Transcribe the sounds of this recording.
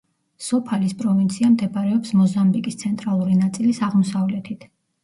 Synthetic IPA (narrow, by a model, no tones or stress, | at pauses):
sɔpʰalispʼɾɔvint̪sʰiamd̪ɛpaɾɛɔpsmɔzambikʼist̪sʰɛnt̪ʼɾalˠuɾinat̪sʼilisaʁmɔsavlɛt̪ʰit̪ʰ